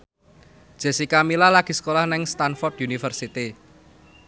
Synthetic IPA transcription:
d̥ʒ̥ɛ̤sikamilalaɡ̥i̤sə̥kolahnɛŋst̪anfɔrt̪junifərsit̪i

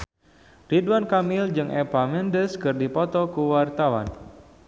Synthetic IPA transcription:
riduwankamɪld͡ʒɨŋʔɛpamɛndəskɨrdipɔt̪ɔkuwart̪awa̰n

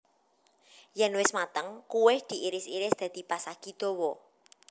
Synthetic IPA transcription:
jɛnwɪsmat̪əŋkuwɪhd̪̥i̤ʔiɾɪsiɾɪsd̪̥ä̤d̪̥i̤pasaɡ̥id̪̥o̤wɔ

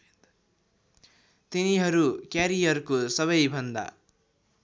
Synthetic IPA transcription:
t̪iniɦʌɾukjaɾijʌrkosʌβʌjbʱʌnd̪a̰

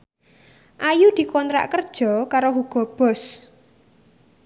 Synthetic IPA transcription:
ʔajud̪̥i̤kɔnt̪ɾa̰ʔkərd̥ʒ̥ɔ̤kaɾoɦuɡ̥ɔ̤b̥ɔ̤s

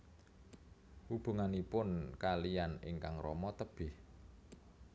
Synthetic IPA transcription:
hub̥uŋanipʊnkalijanɪ̰ŋkaŋrɔmɔt̪əb̥ɪh

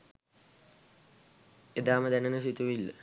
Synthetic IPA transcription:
ed̪aːməd̪ænənəs̬it̪uʋilːə

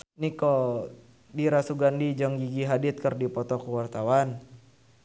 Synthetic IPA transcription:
nikɔ | diɾasuɡandid͡ʒɔŋɡiɡiɦadit̪̚kərdipɔt̪ɔkəwart̪awan

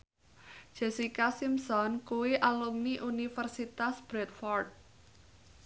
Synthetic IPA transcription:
ʒ̥esikasimsɔnkuwiʔalumniʔunifərsit̪asb̥ɾɛt̪fɔrt̪̚

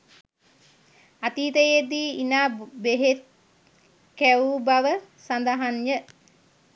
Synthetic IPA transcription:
at̪iːt̪əjed̪iːinaːbeɦet̪̚ | kæubaʋəsand̪aɦanjə

